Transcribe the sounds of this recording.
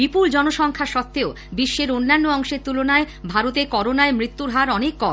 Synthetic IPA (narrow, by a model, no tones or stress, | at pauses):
bipuld͡ʑɔnoʃɔŋkʰaʃɔt̪ːeo | biʃːeɾonːanːoɔŋʃeɾt̪ulonae | bʱaɾot̪ekɔɾonaemɾit̪ːuɾɦaɾɔnekːɔ